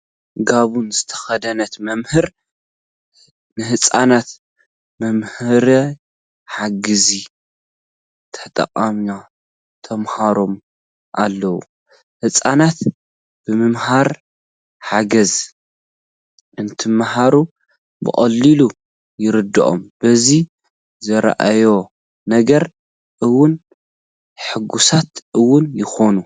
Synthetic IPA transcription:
ɡaβunzɨt̪ʰɐ̥xɐd̪ɐnɐt̪mɐmhɨɾ | nɨhɨt͡sʼanat̪ | mɐmhɨɾɐ | ħaɡɨzi | t̪ʰɐt̪ʼɐ̰qʼama | t̪ʰɐmhaɾo̞m | ʔalːɐwu | hɨt͡sʼanat̪ | b̥ɨmɨmhaɾ | ħaɡɐz | ʔɨnt̪ʰɨmːhaɾu | bɨ̰χʼɐ̰lːilu | jɪɾɨd̪ːɨʔʼo̞̰mb̥ɐzi | zɐɾ̰ʔa̰jo̞ | nɐɡɐɾ | ʔɨwːʊn | ħɨɡusat̪ʔɨwːʊnjɪxo̞nu

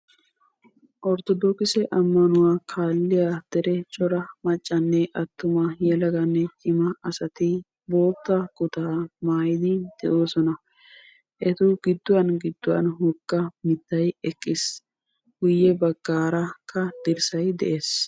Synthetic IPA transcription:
ʔɔɾt̪ɔd̪oːkɪsɛʔɐmːɐnʊwaːkʰaːlːɪjad̪̥ɛɾɛt͡ʃʼɔɾɐmɐt͡ʃʼːɐnːɛʔɐt̪ːʊmɐjɛlɐɡɐnːɛɪmɐɐsɐt̪ɪ | bo̞ːt̪ːɐɡʊt̪aːmaːjɪd̪ɪd̪̥ɛʔoːsɔnɐ | ʔɛt̪ʊɡɪd̪ːʊwɐnɡɪd̪ːʊwɐ̰nhʊɡːɐmɪt̪ːɐjɛkʼːɪs | ɡ̥ʊjːɛbɐɡ̥ːaːɾɐkʰːɐd̪̥ɪɾsɐjd̪ɛ̰ʔeːs

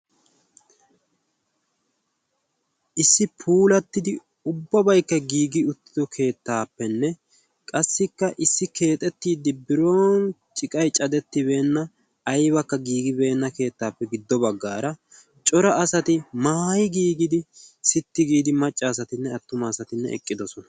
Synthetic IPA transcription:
ʔɪsːɪpʰuːlɐt̪ːɪd̪ɪ | ʊbːɐbɐjkːɐɡiːɡɪʊt̪ːɪ̥d̪ɔkʰe̞ːt̪ːaːpːɛnːɛ | kʼɐsːɪkːɐʔɪsːɪke̞ːt̪ʼɛt̪ːiːd̪ːɪbɪɾo̞ːnt͡ʃʼɪkʼɐjt͡ʃʼɐd̪ɛt̪ːɪbe̞ːnːɐ | ɐjβɐkːɐɡiːɡɪbe̞ːnːɐke̞ːt̪ːaːpːɛɡɪd̪ːɔbɐɡːaːɾɐ | t͡ʃʼɔɾɐːsɐt̪ɪmaːjɪɡiːɡɪd̪ɪsɪt̪ːɪɡiːd̪ɪmɐt͡ʃʼːɐːsɐt̪ɪnːɛɐt̪ːʊmaːsɐt̪ɪnːɛ̰ɛ̰kʼːɪd̪ɔsɔnɐ̥

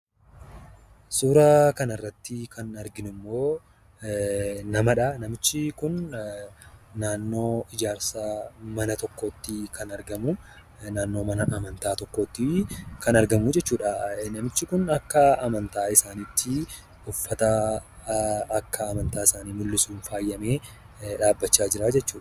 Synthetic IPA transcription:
suːɾaːkɐnɐrːɐt̪ːɪkɐnɐɾɡɪnʊmːo̞ː | nɐmɐᶑɐnɐmɪt͡ʃːɪkʊn | naːnːo̞ːɪd͡ʒaːɾsaːmɐnɐt̪ɔkːoːt̪ːɪkʰɐnɐɾɡɐmʊ | naːnːo̞ːmɐnɐʔːmɐnt̪aːt̪ɔkːo̞ːt̪ːɪkɐnɐɾɡɐmud͡ʒɛt͡ʃːuːᶑɐnɐmɪt͡ʃːɪkʊnɐkːɐɐmɐnt̪aːɪsaːnɪt̪ːɪ | ʊfːɐt̪ɐ | kːɐːmɐnt̪aːɪsaːniːmʊlːɪsuːnfaːjːɐme̞ː | ᶑaːbːɐt͡ʃːaːd͡ʒɪɾaːd͡ʒɛt͡ʃːuːᶑɐ

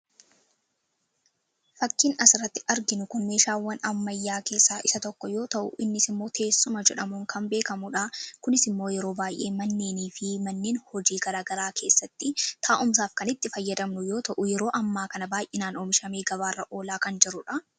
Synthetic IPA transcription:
fɐkːiːnɐsɪɾɐt̪ːɪʔɐɾɡɪnʊkʊnme̞ːʃaːwːɐnɐmːɐjːaːke̞ːsːaːʔɪsɐt̪ɔkːɔjo̞ːt̪ɐʔʊ̰ʔɪnːɪsɪmːo̞ːt̪ʰe̞ːsːʊmɐd͡ʒɛᶑɐmuŋkɐmbe̞ːkɐmʊᶑakʊnɪsɪmːo̞ːjɛɾo̞ːbaːjʔe̞ːmɐnːe̞ːniːfɪmɐnːeːnhɔd͡ʒiːɡɐɾaːɡɐɾaːkʰe̞ːsːɐt̪ːɪt̪ʰaːʔʊms̬aːfkɐnɪt̪ːɪfɐjːɐd̪ɐmnʊjo̞ːt̪ɐʔʊjɛɾo̞ːʔɐmːaːkɐnɐbaːjʔɪnaːnoːmɪʃɐme̞ːɡɐβaːrːɐʔo̞ːlaːkɐnd͡ʒɪɾʊᶑɐ

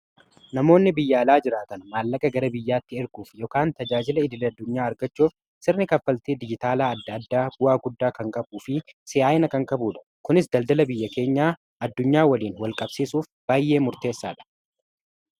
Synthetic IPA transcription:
nɐmo̞ːnːɪbɪjːaːlaːd͡ʒɪɾaːt̪ɐnmaːlːɐkʼɐɡɐɾɐbɪjːaːt̪ːɪɪɾɡuːfjɔkaːnt̪ɐd͡ʒaːd͡ʒɪlɐɪd̪ɪlɛɐd̪ːʊɲːaːɐɾɡɐt͡ʃːuːf | sɪɾnɪkɐfːɐlt̪eːd̪ɪd͡ʒɪt̪aːlaːɐd̪ːɐd̪ːaːbʊwaːɡʊd̪ːaːkɐŋkʼɐbuːfɪsɪʔaːʔɪnɐkɐŋkʼɐbuːᶑɐ̥kʊnɪsd̪ɐld̪ɐlɐbɪjːɐke̞ːɲːaː | ɐd̪ːʊɲːaːwɐliːnwɐlkʼɐbsiːsuːfb̥aːjʔːe̞ːmʊɾt̪e̞ːsːa̰ːᶑɐ̥

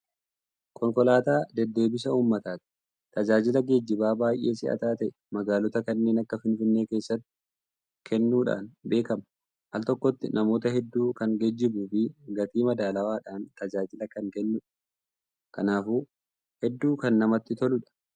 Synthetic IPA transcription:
kʰɔŋkɔlaːt̪aːd̪ɛd̪ːe̞ːbɪs̬ɐuːmːɐt̪aːt̪ɪ̥ | t̪ɐd͡ʒaːd͡ʒɪlɐɡed͡ʒːɪbaːbaːjʔe̞ːsɪʔɐ̰t̪aːt̪ɐʔɛ̥mɐɡaːlɔt̪ɐkɐnːe̞ːnɐkːɐfɪnfɪnːe̞ːke̞ːsːɐt̪ːɪ | kʰɛnːuːᶑa̰ːnbe̞ːkɐmɐ | ʔɐ̰lt̪ɔkːɔt̪ːɪnʔɐmo̞ːt̪ɐɦɛd̪ːuːkɐŋɡɛd͡ʒːɪbuːfiɡɐt̪iːmɐd̪aːlɐwaːᶑaːnt̪ɐd͡ʒaːd͡ʒɪlɐkɐŋkɛnːʊᶑɐ̥ | kɐnaːfuː | hɛd̪ːuːkɐnːɐmɐt̪ːɪt̪ɔlʊᶑɐ̥

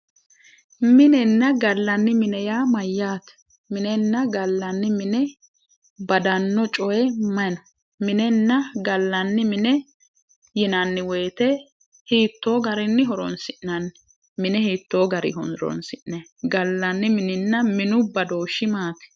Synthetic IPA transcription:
mɪnɛnːɐɡɐlːɐnːɪmɪnɛjaːmɐjːaːt̪ | mɪnɛnːɐɡɐlːɐnːɪmɪnɛ | bɐd̪ɐnːɔt͡ʃʼɔjɛmɐnɔ | mɪnɛnːɐɡɐlːɐnːɪmɪnɛ | jɪnɐnːɪweːt̪ɛ | hiːt̪ːoːɡɐɾɪnːɪɦɔɾɔ̰nsɪʔnɐnː | mɪnɛhiːt̪ːo̞ːɡɐɾɪ̰ɦɔnɾɔ̰nsɪʔnɛɡɐlːɐnːɪmɪnɪnːɐmɪnʊbɐd̪oːʃɪmaːt̪ɛ̥

